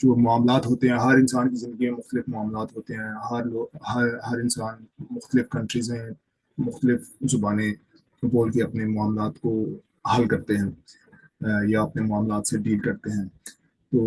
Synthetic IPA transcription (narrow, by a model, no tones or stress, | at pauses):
d͡ʒoːmʊaːmlaːt̪ɦoːt̪eɦɛ̃ɦɐɾɪ̃nsaːnkizɪ̃nd̪əɡimẽmʊxt̪əlɪfmʊaːmlaːt̪ɦoːt̪eɦɛ̃ɦɐɾloːɡhɐɾɦɐɾɪnsaːnmʊxt̪əlɪfkɐ̃ɳʈɾizɦɛ̃ | mʊxt̪əlɪfzʊbaːnẽ | boːlkiɐpnemʊaːmlaːt̪ko | hɐlkɐɾt̪eɦɛ̃ː | jaɐpnemʊaːmlaːt̪seɖiːlkɐɾt̪eɦɛ̃ː | t̪oː